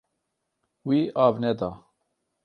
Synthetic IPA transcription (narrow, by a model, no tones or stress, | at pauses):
wiːʔɑːvnɛd̪ɑː